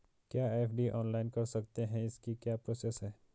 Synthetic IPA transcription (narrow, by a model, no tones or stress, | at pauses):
kjaːefɖiʔɔ̰ːnlaːɪnkɐɾsɐkt̪eɦɛ̃ɪskikjaːpɾoːsesɦɛː